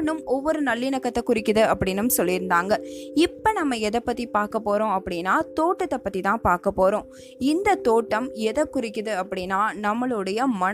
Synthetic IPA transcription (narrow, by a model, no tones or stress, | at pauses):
nɯmɔʋːɔɾɯnɐlːɪnɐkːɐt̪ːɐkʊɾɪkːɯðɯɐpːɐɽɪnːɯmsɔlːɪɾɯnd̪aːŋɡɐɪpːɐnɐmːɐɛðɐpːɐt̪ːipaːɾkɐpːoːɾõːɐpːɐɽɪnːaːt̪oːʈːɐt̪ːɐpːɐt̪ːit̪ãːpaːɾkɐpːoːɾõː | ɪnd̪ɐt̪oːʈːɐmɛðɐkːʊɾɪkːɯðɯɐpːɐɽɪnːaːnɐmːɐɭɯɽɐjɐmɐɳ